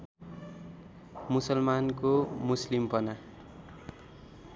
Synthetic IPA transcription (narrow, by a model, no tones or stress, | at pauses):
musʌlmankomuslimpʌna